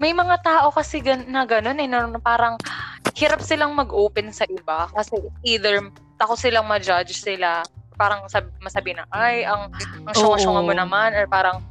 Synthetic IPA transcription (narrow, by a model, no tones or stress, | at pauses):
mɐjmɐŋat̪aːʔo̞kɐsɛɡɐnɐɡɐno̞nɛnɐpaːɾɐŋhɪɾap̚sɪlaŋmɐɡʔoːpɛnsɐʔɪbakɐsɛiːd̪ɛɹ | t̪ɐkosɪlaŋmɐd͡ʒad͡ʒsɪlapaːɾɐŋsɐbmɐsɐbiɪnɐʔajʔɐŋʔɐŋʃʊŋɐʃʊŋɐmonɐmanɐɹpaːɾɐŋ